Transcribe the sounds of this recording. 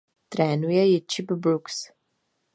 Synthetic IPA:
t̪ɾɛnujɛit͡ʃipbɾuks

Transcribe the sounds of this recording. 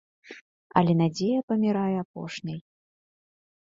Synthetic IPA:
ɐ̰lʲɛnad͡zʲejɐpɐmʲiɾajɛapɔ̰ʂnʲɐj

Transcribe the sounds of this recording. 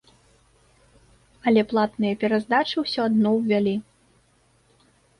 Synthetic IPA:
ɐlʲɛplˠat̪nɨjɐpʲɛɾazd̪at͡ʂɨwsʲɔad̪nɔwvʲalʲi

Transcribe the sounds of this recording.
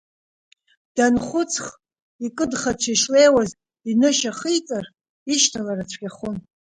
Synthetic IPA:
d̥anχʷʊt͡sʰχ | ikʼɨdχat͡ʃʷʰaʃlejwaz | inɨʃaχijt͡sʼar | iʃtʰalarat͡ɕʷʰɡʲaχʊn

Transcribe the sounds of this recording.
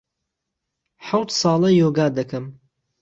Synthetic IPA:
ħawt̪sɑːlˠɐjoːɡaːd̪ɐkɐm

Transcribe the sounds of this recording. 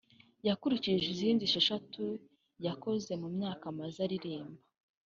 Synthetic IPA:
jakuɾiciʒiziːndiʃeʃatu | jako̞ze̞mumɲaːkamazaɾiɾiːmba

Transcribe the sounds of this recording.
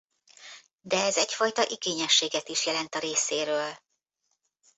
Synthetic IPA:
d̪ɛɛzɛcfɒjt̪ɒʔiɡeːɲɛʃːeːɡɛt̪iʃjɛlɛnt̪ɒɾeːseːɾøːl

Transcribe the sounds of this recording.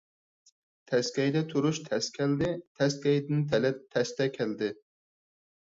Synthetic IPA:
t̪ʰɛskʲɛjd̪ɛt̪ʰuɾuʃt̪ʰɛskʲʰɛld̪ɪt̪ʰɛskʲɛjd̪ɪnt̪ʰɛlɛt̪ʰːɛst̪ʰɛkʲʰæld̪ɪ

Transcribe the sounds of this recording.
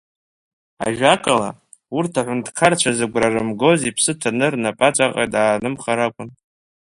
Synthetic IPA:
a̰ʒᶣakʼala | urtʰaħʷʊndkʰart͡ʃʷʰazɨɡʷrarɨmɡo̞zipʰsɨtʰanɨrnapʼat͡ʃʷʼaqʼa̰daːnɨmχaɾakʷʼʊn

